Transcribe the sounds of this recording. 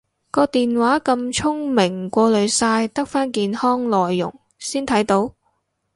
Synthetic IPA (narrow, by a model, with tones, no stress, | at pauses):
kɔː˧t̪iː˨nwaː˨˥kɐ˧mt͡ʃʰʊ˥ŋmɪ˨˩ŋkʷɔː˧lɵ˨˧ɥsaː˧jt̪ɐ˥k̚faː˥nkiː˧nhɔː˥ŋlɔː˨jːʊ̰˨˩ŋ | siː˥nt̪ʰɐ˨˥jt̪o˨˥w